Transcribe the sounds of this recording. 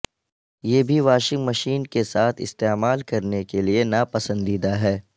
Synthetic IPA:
jeːbʱiʋaːʃɪ̃ŋɡmɐʃiːnkesaːt̪ʰɪ̰st̪eːmaːlkɐɾnekelienapɐsə̃nd̪iːd̪aɦɛː

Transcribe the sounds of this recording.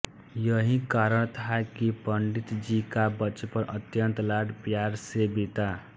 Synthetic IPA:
jʌɦĩkaɾʌɽ̃t̪ʰaekipʌɳɖit̪d͡ʒikabʌt͡ʃepʌɾʌt̪jʌnt̪laɽpjaɾsebit̪a

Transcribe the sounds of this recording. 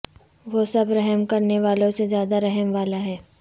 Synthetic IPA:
ʋoːsɐbɾɛɦɛmkɐɾneʋaːlõsezjaːd̪aɾɛɦɛmʋaːlaɦɛː

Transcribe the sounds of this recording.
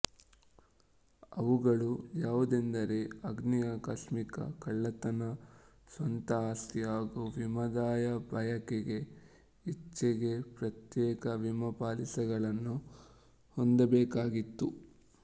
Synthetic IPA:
ɐʋuɡɐɭujaːʋud̪end̪ɐɾe̞ɐɡnijakɐsmikɐ̰kɐɭːɐt̪ɐnɐ | sʋɐnt̪ɐaːst̪iaːɡuʋimɐd̪aːjɐbʱɐjɐkɛɡe̞ | it͡ʃːɛɡe̞pɾɐt̪jɛːkɐʋimɐpaːlisɛɡɐɭɐnːu | hond̪ɐbɛːkaːɡit̪ːu

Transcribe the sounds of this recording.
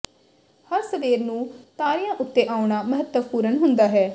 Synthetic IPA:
həɾsəʋeːɾnũːt̪aːɾɪjãːʔʊt̪ːeːʔaːʊɳaːməɦət̪ːəpuːɾənɦʊnd̪aːɦɛː

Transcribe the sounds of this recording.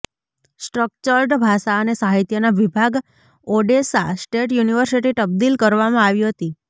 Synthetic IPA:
sʈɾək̚t͡ʃəɾʈbʱaʃaənesaɦit̪jənaʋibʱaɡ | oɖesasʈeʈjuniʋəɾsiʈit̪əb̚d̪ilkəɾʋamãaʋjiɦət̪i

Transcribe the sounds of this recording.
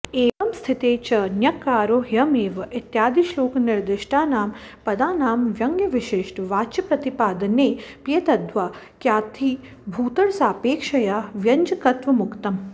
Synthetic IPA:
eːʋɐmst̪ʰit̪eːt͡ʃɐnjɐkaːɾoːɦjɐmeːʋɐʔit̪jaːd̪iʃloːkniɾd̪ɪʂʈʰaːnaːmpɐd̪aːnaːmʋjɐŋɡjɐʋiʃeːʂʈʋaːt͡ʃipɾɐt̪ipaːd̪ɐneːpiet̪ɐd̪ʋaː | kjaːt̪ʰiː | bʱuːt̪ɐɽsaːpeːkʂɐjaːʋjɐɲd͡ʒɐkɐt̪ʋɐmukt̪ɐm

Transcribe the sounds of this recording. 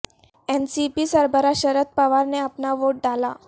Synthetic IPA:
ɛnsipiːsəɾbəɾaɕəɾət̪̚paʋaɾneapnaʋoʈ̚ɖala

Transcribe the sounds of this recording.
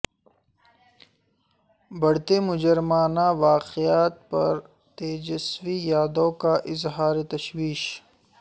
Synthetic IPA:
bɐɽt̪emʊd͡ʒɐɾmaːnawaːqijaːt̪̚pɐ̰ɾ | t̪eːd͡ʒɐswijaːd̪õːkaʔɪzɦaːɾet̪ɐʃwiːʃ

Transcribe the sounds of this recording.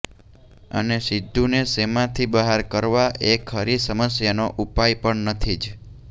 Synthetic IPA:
ə̰nesid̪ʱːunesemãt̪ʰibəɦaɾkəɾʋaʔekʰhəɾisəməsjanoʔupajpəɳnət̪ʰid͡ʒ

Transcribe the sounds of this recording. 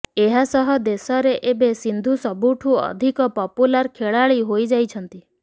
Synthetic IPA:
eɦasɔɦɔd̪esɔɾeʔebesind̪ʱusɔbuʈʰuɔ̰d̪ʱikɔpɔpulaɾkʰeɭaɭiɦojd͡ʒajt͡ʃʰɔnt̪i

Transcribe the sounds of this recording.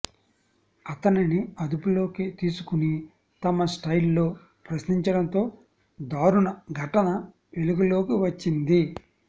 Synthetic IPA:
ɐt̪ɐniniɐd̪upulo̞ːkit̪iːsukuni | t̪ɐmɐsʈɐjlːo̞ː | pɾɐʃniɲt͡ʃɐɽɐnt̪o̞ː | d̪aːɾunɐɡʱɐʈɐnɐ | ʋeluɡɐlo̞ːkiʋɐt͡ʃːind̪i

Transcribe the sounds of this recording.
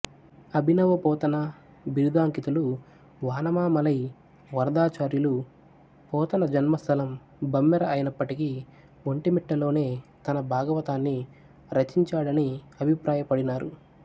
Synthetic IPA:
ɐbʱinɐʋɐpɔːt̪ɐnɐ | biɾud̪ʱaːŋkit̪ulu | ʋaːnɐmaːmɐlɐj | ʋɐɾd̪aːt͡ʃaːɾjulu | pɔːt̪ɐnɐd͡ʒɐnmɐst̪ʰɐlɐm | bɐmːɛɾɐʔɐjinɐpːɐʈiki | ʋoɳʈimiʈːɐlo̞ːne̞ːt̪ɐnɐbʱaːɡɐʋɐt̪aːnːi | ɾɐt͡ʃːiɲt͡ʃaːɽɐni | ɐbʱipɾaːjɐpɐɽinaːɾu

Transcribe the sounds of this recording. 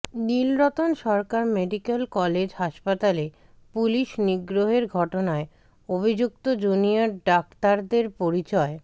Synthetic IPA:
nilɾot̪onʃɔɾkaɾmeɖikelkɔled͡ʑhaʃpat̪ale | puliʃniɡɾoɦeɾɡʱɔʈonae | obʱid͡ʑuk̚t̪od͡ʑonijaɾɖakt̪aɾd̪eɾpoɾit͡ɕɔe

